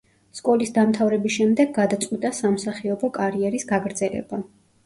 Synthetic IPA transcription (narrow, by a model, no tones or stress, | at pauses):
skʼɔlisd̪amt̪ʰavɾɛbisʃɛmd̪ɛɡːad̪at̪sʼwit̪ʼasamsaχiɔbɔkʼaɾiɛɾisɡaɡɾd̪zɛlɛ̰ba